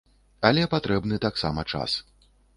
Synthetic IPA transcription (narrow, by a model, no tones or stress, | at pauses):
alʲɛpat̪ɾɛbnɨt̪aksa̰mɐt͡ʂa̰s